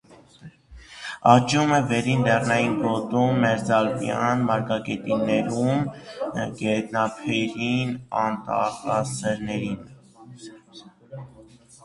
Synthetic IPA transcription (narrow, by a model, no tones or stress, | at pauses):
ɑt͡ʃumɛvɛɾind̪ɛrnɑjinɡɔt̪umːɛɾd͡zɑlbjɑ̰nmɑɾkɑkɛt̪inɛɾum | ɡɛt̪nɑpʰɛɾinɑnt̪ɑ̰χɑsɛɾnɛɾin